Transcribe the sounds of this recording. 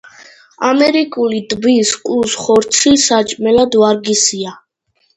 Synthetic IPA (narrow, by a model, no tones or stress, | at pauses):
amɛɾikʼulid̪ʼbiskʼusχɔɾt̪sʰisat͡ʃʼmɛlad̪vaɾɡisia